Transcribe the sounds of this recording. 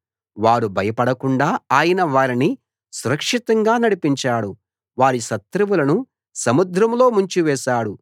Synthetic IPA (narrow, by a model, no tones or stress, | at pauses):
ʋaːɾubʱɐjɐpɐɽɐkuɳɖaːaːjɐnɐʋaːɾini | suɾɐkʂit̪ɐŋɡaːnɐɽipiɲt͡ʃaːɽu | ʋaːɾiʃɐt̪ɾɐʋulɐnu | sɐmud̪ɾɐmlo̞ːmuɲt͡ʃuʋɛːʃaːɽu